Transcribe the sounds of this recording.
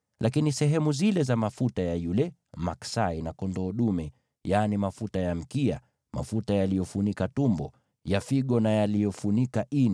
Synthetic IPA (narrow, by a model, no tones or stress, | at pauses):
lʔakinisɛɦɛmuzilɛzamafutajajulɛ | maksainakɔndɔːɗumɛ | janimafutajam̩kia | ma̰futajalijɔfunikatumbɔ | jafiɠɔnajalijɔfunikaʔin